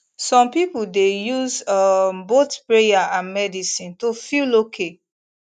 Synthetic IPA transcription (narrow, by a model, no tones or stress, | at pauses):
sɔ̃mpipuldejuzʌmbotpɹejaãnmɛdisĩntofilokʰe